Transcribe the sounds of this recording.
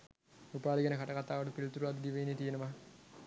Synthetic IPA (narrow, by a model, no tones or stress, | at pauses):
upaːliɡenəkaʈɐkat̪aːʋəʈupilut̪uɾuʋad̪əd̪iʋɐjinːet̪ijenəʋa